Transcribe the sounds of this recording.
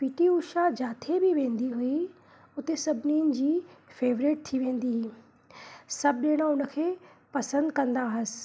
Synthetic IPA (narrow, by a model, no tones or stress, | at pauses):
piːʈiuːʃad͡ʑaːt̪ʰebɪʋẽːn̆d̪iɦʊi | ʊt̪esɐbʱniːənɪ̆d͡ʑiːfeːʋɾɪʈ̚t̪ʰiʋẽːn̆d̪iɦ | sɐbʱɗeːɽ̃ãʊnə̆kʰeːpɐsə̃nd̪kɐ̃nd̪aɦɪsɪ̥̆